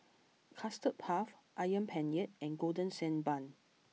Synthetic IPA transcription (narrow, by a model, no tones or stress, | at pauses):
kʰastət̚pʰafʔajə̃npʰɛ̃njɛt̚ɛ̃nɡodə̃nsɛ̃nbãn